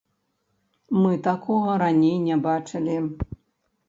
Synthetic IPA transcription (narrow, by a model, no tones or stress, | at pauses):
mɨt̪akʰɔɣɐɾanʲejnʲɛbat͡ʂɨlʲi